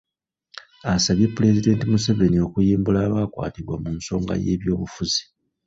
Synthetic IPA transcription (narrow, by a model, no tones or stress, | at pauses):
asaβjepːule̞zide̞ːntimuseve̞nio̞kujiːmbulaːβaːkwa̰ːtiβwamumuso̞ːŋɡa̰je̞̰ːβjo̞ːβufuzi